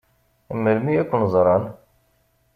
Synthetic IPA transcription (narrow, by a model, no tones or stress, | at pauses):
əmːəlmiækʷːʊnzˤɾˤɑn